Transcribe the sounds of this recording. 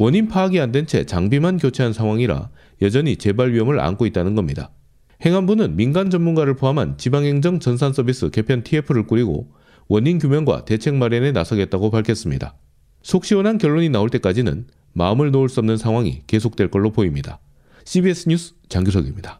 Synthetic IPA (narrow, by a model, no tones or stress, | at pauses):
wʌɲinpʰaːɡiandwe̞nt͡ɕʰe̞̰t͡ɕaŋbimankjot͡ɕʰeɦansʰaŋwaŋiɾa̰ | jʌd͡ʑʌɲit͡ɕe̞baɭɥiɦʌmɯɾa̰nkʰoit̚t͈anɯnɡʌmɲida̰ | he̞ŋɦanbunɯnminɡand͡ʑʌnmunɡaɾɯɭpʰoɦamɦant͡ɕibaŋɦe̞ŋd͡ʑʌŋt͡ɕʌns̬ʰans͈ʰʌbis͈ɯke̞pʰjʌntʰiepʰɯɾɯɭk͈uɾiɡo̰ | wʌɲink̬jumjʌnɡwa̰te̞t͡ɕʰe̞ŋmaɾenenasʰʌɡe̞t̚t͈aɡopaɭkʰjʌs͈ɯmɲida̰ | sʰok̚ɕ͈iwʌnɦankjʌɭːoɲinaoɭt͈e̞k͈ad͡ʑinɯ̰n | maɯmɯɭnouɭs͈uʌmnɯnsʰaŋwaŋḭke̞s̬ʰok̚t͈we̞ɭk͈ʌɭːopoimɲida | ɕʰibies͈ʰɯɲusʰ | t͡ɕaŋɡus̬ʰʌɡimɲida